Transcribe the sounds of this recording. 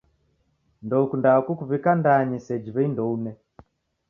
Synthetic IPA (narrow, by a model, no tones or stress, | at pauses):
ndɔukundakukuβikandaɲisɛd͡ʒiβɛindɔunɛ